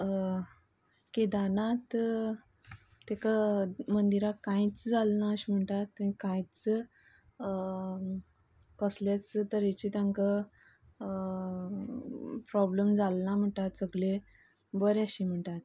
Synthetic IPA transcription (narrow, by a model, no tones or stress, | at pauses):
ked̪anat̪ | ekamənd̪iɾakãjit͡sd͡zalnaəɕim̤əɳʈat̪ĩkãjt͡s | kəsljat͡st̪əɾet͡ɕit̪ãŋka | pɾɔbləmd͡zalnam̤əɳʈat̪səɡle | bəɾaɕim̤əɳʈat̪̚